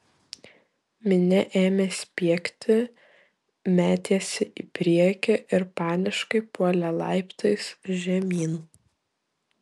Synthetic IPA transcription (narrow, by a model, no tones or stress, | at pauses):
mʲɪnʲɛʔeːmʲeːsʲpʲiɛkʲt̪ʲɪ | mʲæːt̪ʲeːsʲɪʔiːpʲɾʲiɛkʲɛʔɪɾpɑːnʲɪʃkɐɪpuɔlʲɛlˠɑ̰ˑɪpt̪ʰɐɪsʒʲɛmʲiːn